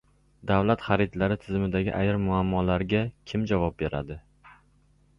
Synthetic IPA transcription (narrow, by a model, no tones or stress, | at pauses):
d̪avlat̪χaɾɪt̪laɾɪt̪ʰɪzɪmɪd̪aɡʲɪʔajɾmʊamːɒlaɾɡʲakʲʰɪmd͡ʒavɒp̚be̞ɾa̰d̪ɪ